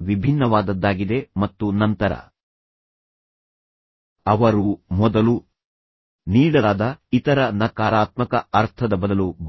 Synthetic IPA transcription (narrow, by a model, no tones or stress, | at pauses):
ʋibʱinːɐʋaːd̪ɐd̪ːaːɡid̪e̞mɐt̪ːunɐnt̪ɐɾɐ̰ | ɐʋɐɾumɔd̪ɐlu | niːɭɐaːd̪ɐit̪ɐɾɐnɐkaːɾaːt̪mɐkɐɐɾt̪ʰɐd̪ɐbɐd̪ɐlub